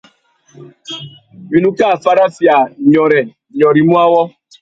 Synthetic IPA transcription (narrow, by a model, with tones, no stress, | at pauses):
wi˨nu˦ka˦˨fa˦ɾa˦fi˨a˨ɲɔ˨ɾɛ˨ | ɲɔ˨ɾi˨mu˦a˦wɔ˦